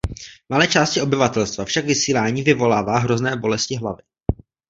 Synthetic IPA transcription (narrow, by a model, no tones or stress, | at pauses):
malɛːt͡ʃaːscɪo̞bɪvat̪ɛlst̪vafʃakvɪsiːlaːɲiːvɪvo̞laːvaːɦɾo̞znɛːbo̞lɛscɪɦlavɪ